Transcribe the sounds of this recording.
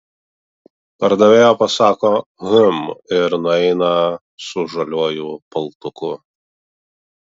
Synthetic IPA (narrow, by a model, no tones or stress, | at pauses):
pɐɾd̪ɐʋʲeːjoːpɐsɑːkoːɣʊmɪɾnʊɛɪnɐ | sʊʒɐlʲuɔːjuːpɐlˠt̪ʊkʊ